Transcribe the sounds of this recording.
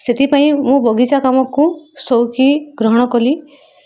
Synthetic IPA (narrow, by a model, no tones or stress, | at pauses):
set̪ʰipaĩmũbɔɡit͡ʃakamɔkusɔwkiɡɾɔɦɔɽ̃ɔkɔli